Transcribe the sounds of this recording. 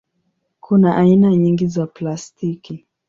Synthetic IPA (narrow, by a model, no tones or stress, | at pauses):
kʰunaʔainaɲiŋɡizaplastiki